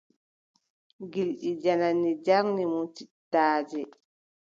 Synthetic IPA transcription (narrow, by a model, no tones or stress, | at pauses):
ɡilɗid͡ʒananid͡ʒaɾnimɔtitːaːd͡ʒɛ